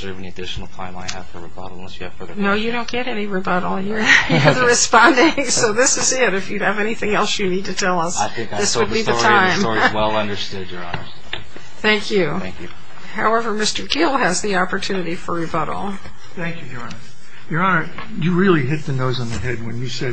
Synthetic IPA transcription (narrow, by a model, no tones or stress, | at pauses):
zɜ˞vɨ̃niɨdɪʃn̩l̩ˠtʰãɪ̃maɪɨ̰v̥fə˞ɹibʌ̰ɾl̩̃ˠnɛsjɨɨ̰v̥fə˞noʊjɨɾõʊ̃nɡ̥ɛɾɛniɹibʌɾl̩ˠjə˞jðəɹɨspɑ̃ndɪ̃ŋsoʊðɪsɨzɪɾɨfjɨɨvɛñiθɪ̃ŋɛlˠsjɨnid̚tʰɨtʰɛlˠʌsaɪθɪ̃kðɪswɨd̚biððɨttʰãɪ̃mɔwɛlˠʌ̃ndə˞stʊdə˞ɑ̰nə | θæ̃ŋkʰjʉ | æ̃ŋkj | haʊɛvə˞mɪstə˞ɡɪlˠɨzðiɑpə˞tʰʉnɨɾifə˞ɹɨbʌɾl̩ˠ | θæ̃ŋkjʉd͡ʒɑɹnə | jə˞ɑnə˞ | jɨɹɪlˠiɦɪt̪̚ðɨnoʊzn̩ðɨɦɛd̚wɨ̃njɨsɛd̚